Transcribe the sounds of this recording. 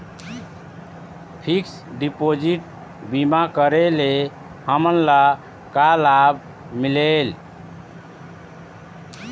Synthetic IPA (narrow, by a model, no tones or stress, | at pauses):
pʰiks | ɖipod͡ʒiʈ̚ | bimakəɾele | həmənla | kalab | milel